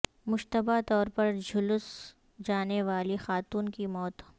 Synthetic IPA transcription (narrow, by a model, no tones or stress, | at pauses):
mʊʃt̪əbat̪ɔːɾpɐɾd͡ʒʊlʊs | d͡ʒaːneʋaːlixaːt̪uːnkimɔːt̪